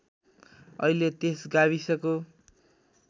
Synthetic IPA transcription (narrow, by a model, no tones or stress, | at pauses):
ʌ̰ilet̪esɡaβisʌko